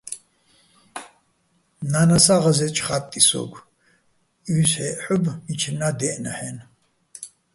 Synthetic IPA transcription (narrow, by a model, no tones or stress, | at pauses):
nanasaʁazɛt͡ʃʰʼχat̪ʼːisɔ̰ɡʷ | yːsħɛʔħubmit͡ʃʰnad̪ɛʔnaħɛn